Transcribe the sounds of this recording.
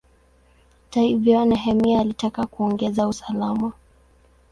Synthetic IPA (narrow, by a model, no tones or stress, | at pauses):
taivjɔnaɦɛmiaːlitakakuɔŋɡɛzausalama